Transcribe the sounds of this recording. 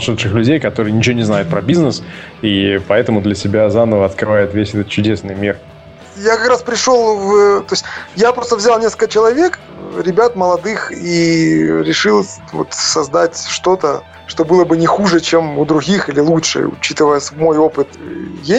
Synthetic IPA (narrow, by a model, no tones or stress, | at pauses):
ʂɨt̪ʂɨxlʲʉdʲejkɐt̪oɾɨjənʲɪt͡ɕɪvonʲɪznajʊt̪pɾəbʲiznəsipɐɛt̪əmʊd̪lʲəsʲɪbʲazanəvəɐt̪kɾɨvajɪt̪vʲesʲɛt̪ət̪̚t͡ɕʊdʲe̞snɨjmʲir | jakɐkɾaspɾʲɪʂo̞lˠvət̪o̞sʲtʲjapɾo̞st̪əvzʲalˠnʲesklkət͡ɕɪlˠɐvʲe̞k | ɾʲɪbʲat̪məlˠɐd̪ɨxiɾʲɪʂɨlˠ | vo̞̰t̪sɐzd̪atʲʂt̪o̞t̪ə | ʂt̪o̞bɨlˠəbɨnʲɪxuʐɨt͡ɕemʊd̪ɾʊɡʲixilʲɪlˠutʂɨ̰ʊ̰t͡ɕit̪ɨvəjəsvmo̞jo̞pɨt̪je